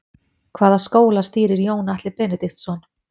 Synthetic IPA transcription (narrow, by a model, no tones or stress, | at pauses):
kʰvaːðaskoːwlast̪iːɾɪɾjoːwnaht̪lɪpɛːnɛt̪ɪxt̪sɔn